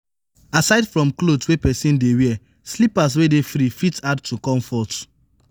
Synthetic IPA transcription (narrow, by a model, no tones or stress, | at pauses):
asaɪdfɹɔ̃mklotwepɛsĩndewɛ | slipas̬wedefɾifitad̚tukɔ̃mfɔt